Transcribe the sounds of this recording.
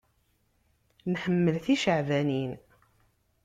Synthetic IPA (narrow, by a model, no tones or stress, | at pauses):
nħəmːəlθiʃəʕvænin